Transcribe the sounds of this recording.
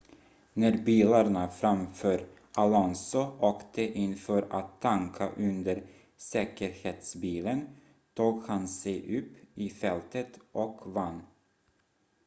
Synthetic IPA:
næɾbiːlaɳafɾamfœːɾ | alɔnsʊɔːkt̪əʔɪnfœːɾat̪ʰːaŋkʰaʔɵnd̪əɾ | sɛːkəɾheːt̪sbiːlən | t̪ʰuːɡhansɛjʔɵpːɪfɛlt̪ət̪ʔɔkvanː

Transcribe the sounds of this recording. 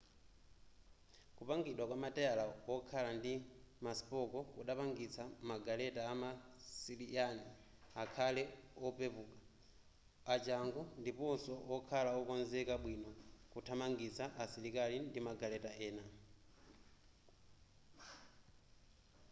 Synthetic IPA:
kupaŋɡiɗwakwamatɛalawɔkʰalandimaspɔkɔkuɗapaŋɡit͡sʰamaɡalɛtaːmasiliani | akʰalɛɔpepuːkḁ | at͡ʃaŋɡɔndipɔnsɔɔkʰalaɔkɔnzɛkaɓwinɔkutʰamaŋɡit͡sʰaʔasiɾikalindimaɡalɛtaɛːna

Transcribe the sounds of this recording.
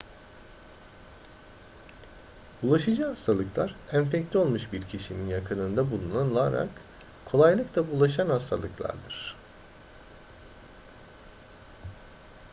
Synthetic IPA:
bulˠaʃɯd͡ʒɯɦast̪ʰalˠɯklˠaɾænfɛclʲio̞lˠmuʃbiɾcʰiʃininjakʰɯnɯnd̪abulˠunanɯlˠaɾa̰k | kʰo̞lˠajlˠɯklˠabulˠaʃanhast̪ʰa̰lˠɯklˠa̰ɾd̪ɯɾ̥

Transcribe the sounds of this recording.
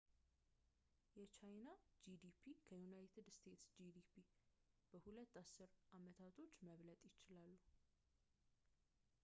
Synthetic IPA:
jɛt͡ʃʰajnad͡ʒid̪ipʰikʰəjunajt̪ʰɨd̪st̪ʰe̞t̪sd͡ʒid̪ipʰi | b̥əhulət̪ːasːɨɾʔamət̪ʰat̪ʰo̞t͡ʃːməβlət̪ʼjɪt͡ʃɪlalːu

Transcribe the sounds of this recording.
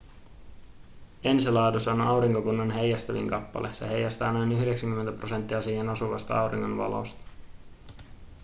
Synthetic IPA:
e̞nsilɑːdusɑonɑwɾiŋkokunːɑnɦe̞jːæst̪æʋḭŋkɑpːɑ̰lʔese̞ɦe̞jæst̪æːnojnyɦde̞ksæŋkymːent̪æpro̞se̞nt̪ːiɑsiːhenosuʋɑst̪ɑɑwɾiŋːonʋɑ̰lo̰st̪ɑ̥

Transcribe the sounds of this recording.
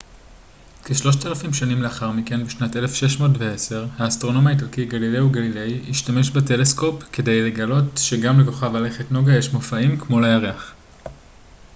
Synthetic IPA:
keʃlo̞ʃtalafimʃanimleaχaʁmike̞nbeʃnate̞le̞fʃe̞ʃmo̞ːtvee̞se̞ʁhaːstʁo̞no̞maitalkiɡalileuɡalile̞jiʃtame̞ʃbete̞le̞sko̞pke̞de̞jle̞ɡalo̞tʃe̞ɡamleko̞χavale̞χetno̞ɡajeʃmofaimkmo̞lajaʁeaχ

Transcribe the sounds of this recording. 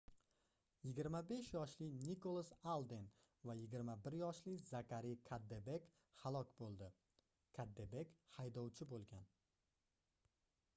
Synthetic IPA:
jɪɡʲɪɾmabe̞ʃjɒʃlɪnikolˠasalˠd̪en | vajɪɡʲɪɾmabɪɾjɒʃlɪzakʰʲaɾijkʰad̪ːebe̞kʲ | halˠɒkʲbolˠd̪ɪ | kʰad̪ːebe̞kʲhajd̪ɒwt͡ʃʰɪbolˠɡʲan

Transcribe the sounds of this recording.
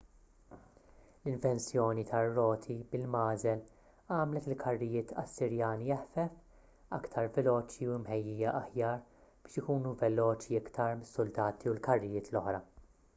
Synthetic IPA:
lɪɱvɛnsjɔːnit̪ʰɐrːɔːt̪ʰibɪlmɐːzɛl | ɐːmlɛt̪ɪlkʰɐrːɪjɪːt̪ʰɐ̰sːɪɾjɐːnijɛħfɛf | ɐ̰kt̪ʰɐɾvɛlɔːt͡ʃiuɪmħɛjːiːjɐʔɐħjɐːɾb̥ɪːʃɪkuːnuvɛlɔːt͡ʃiɪkt̪ɐɾmɪsːʊld̪ɐːt̪ʰiulkɐrːɪjɪːt̪lɔħɾɐ

